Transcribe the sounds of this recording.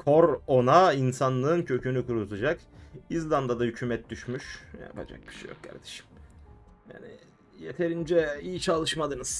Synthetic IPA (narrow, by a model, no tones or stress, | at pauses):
kʰo̞ɾo̞nainsanlˠɯːncʰø̞cʰynykʰuɾut̪ʰad͡ʒakizlˠamd̪ad̪ahycʰyːmɛt̪̚d̪yʃmyʃja̰a̰pʰa̰d͡ʒa̰k̚b̥i̥ʃejo̰k̚kʰa̰ɾd̪e̥ʃi̥m | ja̰ːnḭ | jet̪ʰe̞ɾind͡ʒɛijit͡ʃʰalˠɯʃmad̪ɯnɯz̥